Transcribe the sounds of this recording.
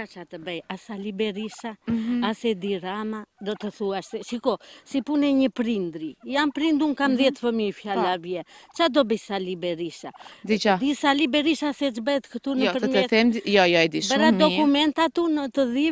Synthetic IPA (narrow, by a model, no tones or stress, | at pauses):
kat͡ʃat̪əbɛjasalibɛɾiʃaasɛd̪iɾamad̪ɔt̪əθuaʃsɛʃikɔsipunɛɲəpɾind̪ɾijanpɾind̪unkamðjɛt̪fəmifjalavjɛt͡ʃad̪ɔbəsalibɛɾiʃad̪it͡ʃad̪isalibɛɾiʃasɛt͡ʃbɛɛt̪kət̪unpəɾɛɛθɛmjɔjɔɛd̪iʃbɛɾad̪ɔkumɛnt̪at̪unət̪əði